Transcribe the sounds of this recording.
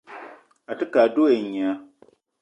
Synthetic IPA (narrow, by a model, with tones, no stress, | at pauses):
a˨tɨ˦kaː˨doː˦e˨ɲa˨˦